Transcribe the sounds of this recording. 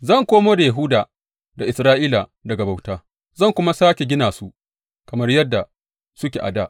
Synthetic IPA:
zɐ˦˨ŋkʷoː˦moː˦da˨ja˨ɦʊː˦daː˨ | da˨ʔɪ˨sɾaː˦ʔiː˦la˨dɐ˨ɡa˨ba˨wtaː˦ | zɐ˦˨ŋkʷʊ˦ma˦saː˦kʲe˨ɡʲɪ˦naː˨su˦ʔ | kɐ˨mɐ˦rjɐ˦dːa˨ | sʊ˦kʲḛ˨ʔa̰˨daː˦ʔ

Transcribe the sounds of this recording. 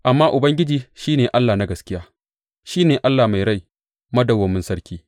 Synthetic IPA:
ʔa˨mːaː˦ʔʊ˨bɐ˦ŋɡʲɪ˦d͡ʒiː˦ʃiː˦neː˨ʔa˦lːaː˨na˦ɡɐ˨skʲɪ˦jaː˦ | ʃiː˦neː˨ʔa˦lːaː˨ma˨jɾa˦j | mɐ˦dɐ˨wɐ˨mɪ˦nsɐ˦ɽkʲiː˦

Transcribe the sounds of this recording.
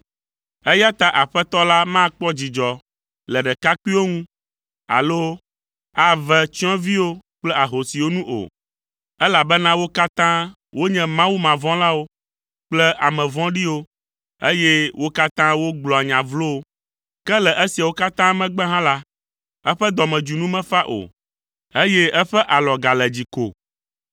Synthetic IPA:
ɛ˦ja˦t̪a˦ʔa˨ɸɛ˦t̪ɔ˦la˦mã˦k͡pɔ˦d͡ʑi˨d͡ʒɔ˨ | lɛ˨ɖɛ˨ka˦ku˦i˦wo˦ŋũ˦ | a̰˨lo˦ | a˦vɛ˦t͡ɕi˦ɔ̃˦vi˦wo˦k͡plɛ˦a˨ɦo˨si˨wo˦nũ˦ʔo̰˨ | ɛ˦la˨bɛ˦nã˦wo˦ka˦t̪ã˦ | wo˦ɲɛ̃˦mã˦wu˦mã˨vɔ̃˦la˦wo˦ | k͡plɛ˦ʔa˨mɛ̃˨vɔ̃˦ɖi˦wo˦ | e˦je˦wʔo˦ka˦t̪ã˦wo˦ɡ͡blɔ˨a˨ɲã˨vlo˦ | kɛ˦lɛ˨ʔe˦si˨a˨wo˦ka˦t̪ã˦mɛ̃˦ɡ͡bɛ˦ɦã˦la˦ | ɛ˦ɸɛ˦d̪ɔ˨mɛ̃˨d͡ʒu˨nũ˦mɛ̃˦fa˦ʔo̰˨ | e˦jɛ˦ɛ˦ɸɛ˦ʔa˨lɔ˨ɡa˨lɛ˨d͡ʑi˨ko̰˨

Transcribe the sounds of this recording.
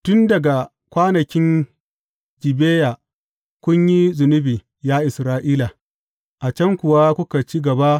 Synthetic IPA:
tʊ˦ndɐ˨ɡa˨ | kʷaː˦nɐ˨kʲɪ˦n | d͡ʒɪ˨beː˦ja˨ | kʷʊ˦ɲji˦zʊ˨nʊ˦biː˨ | jaː˦ʔɪ˨sɾaː˦ʔiː˦la˨ | ʔa˨t͡ʃɐ˦ŋkʷʊ˨wa˦kʷʊ˦ka˨t͡ʃi˦ɡɐ˨ba˦

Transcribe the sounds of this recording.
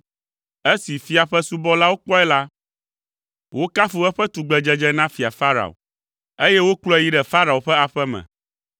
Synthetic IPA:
e˦si˨fi˨a˨ɸɛ˦su˦bɔ˦la˦wo˦k͡pɔ˦ɛ˦la˦ | wʔo˦ka˦fu˨ɛ˦ɸɛ˦t̪u˨ɡ͡bɛ˨d͡ʒɛ˦d͡ʒɛ˦nã˦fi˨a̰˨fa˦ɾa̰˨o̰˨ | e˦jɛ˦wo˦klɔ˦ɛ˨ji˦ɖɛ˨fa˦ɾa˨o˨ɸɛ˦a˨ɸɛ˦mɛ̰̃˨

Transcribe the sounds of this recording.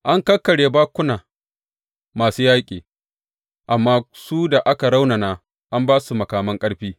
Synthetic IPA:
ʔa˦ŋkɐ˦kːɐ˨ɽeː˨baː˦kʷʊ˦naː˨ | maː˨suː˦jaː˦kʲʼiː˨ | ʔa˨mːaː˦suː˦da˨ʔa˦ka˨ɾa˦wna˨naː˦ | ʔa˦mbaː˦su˨mɐ˨kaː˨mɐ˦ŋkʼɐ˦ɽɸiː˦

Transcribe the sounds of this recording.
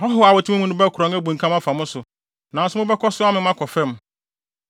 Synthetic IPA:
hɔ˦ɦʊ˦a˨wɔ˨tʰɪ˦mʊ̃˦ũ˦nʊ̃˦bɛ˦kʰɾɔ̃˨ŋɛ˦bũ˨ŋ̩˨kʰã˦mã˦fa˨mʊ̃˦sʊ˨ | nã˨n̩˦sʊ˦mʊ̃˦bɛ˦kʰɔ˦sʊ˦a˦mɪ̃˨m˦ã˦kʰɔ˨fɛ̃˦m

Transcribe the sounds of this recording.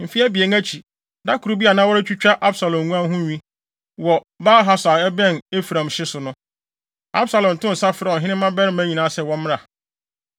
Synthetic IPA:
m̩˨fi˦ɛ˦bi˨e˨ŋæ˦t͡ɕʰi˨ | da˦kʰu˨ɾu˦bi˦a˨nã˦wɔ˦ɾɪ˦t͡ɕᶣʰu˦t͡ɕᶣa˦ʔa˦bsa˨lɔ̃˨mː˨ũ˦ã˦ɦʊ̃˦ɲᶣĩ˦ | wɔ˨ | baː˦ɦa˦sa˨ɛ˦bɛ̃˦˨ne˦fɾã˨mɕɪ˦sʊ˨nʊ̃˦ | a̰˦bsa˨lɔ̃˨n̩˨tʊ̃˦n̩˨sa˦fɪ˨ɾɛ˦˨ɔ˨ɦɪ̃˦nɪ̃˦mːã˦bɛ˦ɾɪ˦mæ̃˦ɲĩ˨nã˨˦sɛ˨wɔ̃˦mɪ̃˦a˨

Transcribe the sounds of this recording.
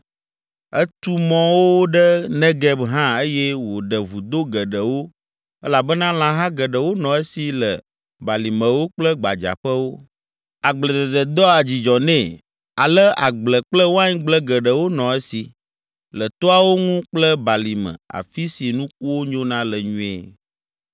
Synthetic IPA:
ə˦t̪u˦mɔ̃˦wo˦ɖə˦nɛ̃˦ɡɛ˦bɦã˦e˦jɛ˦wo˨ɖə˨vu˨d̪o˦ɡə˨ɖə˨wo˦ | ɛ˦la˨bə˦nã˦l̃ã˦ɦã˦ɡə˨ɖə˨wo˦nɔ̃˨e˦si˨lə̰˨ | ba˨li˨mə̃˨wo˦k͡plə˦ɡ͡ba̰˨d͡ʒa̰˨ɸə˦wo˦ | a˨ɡ͡blə˨d̪ə˨d̪ə˨d̪ɔ˦a˨d͡ʑi˨d͡ʒɔ˨nɛ̃˦˨ | a˨lə˦a̰˨ɡ͡blə˨k͡plə˦wo˦a˦ɲĩ˦ɡ͡blə˦ɡə˨ɖə˨wo˦nɔ̃˨e˦si˨ | lə˨t̪ɔ˦a˦wo˦ŋũ˦k͡plə˦ba˨li˨mə̰̃˨a̰˨fi˦si˨nũ˦k̚u˦wo˦ɲõ˦nã˦lə˨ɲũ˦ḛ˦˨

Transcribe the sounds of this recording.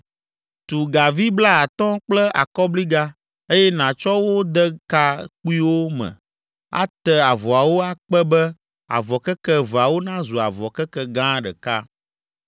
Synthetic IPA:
t̪u˨ɡa˨vi˦bla˦a˨t̪ɔ̃˦k͡plɛ˦ʔa̰˨kɔ˦bli˦ɡa˦ | e˦jɛ˦nã˨t͡ʃɔ˦wo˦d̪ɛ˦ka˦k͡pu˦i˦wo˦mɛ̰̃˨ | a̰˦t̪ɛ˦a˨vɔ˨a˨wo˦a˦k͡pɛ˦bɛ˦ | a̰˨vɔ˨kɛ˦kɛ˦va˨wo˦nã˦zu˨a˨vɔ˨kɛ˦kɛ˦ɡã˦ɖɛ̰˨ka˦

